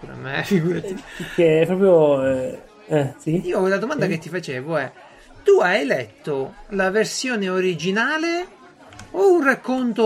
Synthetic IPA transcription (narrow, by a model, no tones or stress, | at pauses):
uɾa̰mḛfiɡuːɾat̪ipekeɛpɾɔːpɾjoɛ | ɛsiiːolad̪omand̪aket̪ːifat͡ʃeːvoɛ | t̪uajelɛt̪ːolaversjoːneoɾid͡ʒinaːle | ounrakːont̪o